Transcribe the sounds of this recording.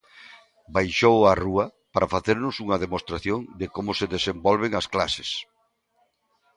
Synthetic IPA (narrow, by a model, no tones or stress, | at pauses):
bajʃowaruɐpaɾafaθeɾnʊsuŋɐðemost̪ɾaθjoŋd̪ɪkomʊseðesembɔlβ̞eŋaskla̰se̥s